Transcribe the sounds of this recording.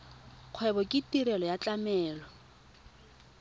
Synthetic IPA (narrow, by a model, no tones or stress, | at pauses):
q͡χʰwɛbɔkʼɪtʼiɾɛlɔjat͡ɬʼamɛːlɔ